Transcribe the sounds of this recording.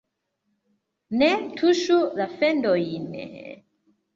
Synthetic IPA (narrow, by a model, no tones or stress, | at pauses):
nɛtʰuʃuðafɛndɔinɛ̰